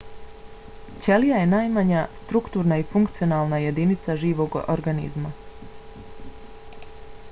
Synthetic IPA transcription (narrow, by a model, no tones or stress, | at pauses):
t͡ɕelijaje̞naːjmaɲast̪ɾukt̪uːɾnaifuŋkt̪sijo̞naːlˠnaje̞d̪init̪saʒiːʋo̞ɡo̰ɾɡanḭzma